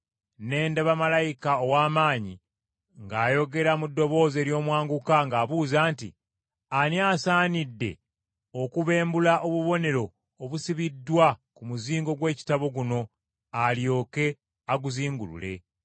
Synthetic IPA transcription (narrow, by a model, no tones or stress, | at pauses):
ne̞ːndaβamalajikaowaːmaːɲi | ŋɡaːjo̞ɡe̞ɾamudːo̞βo̞ːze̞ːɾjo̞ːmwaːŋɡukaŋɡaːβuːzaːntḭ | aniaːsaːnidːe̞̰ | okuβe̞ːmbulaʔoβuβo̞ne̞ɾo̞ː | βusiβidːwakumuziːŋɡo̞ɡwe̞ːci̥taβo̞ɡuno̞ | aljo̞ːke̞ | aɡuziːŋɡulṵle̞̰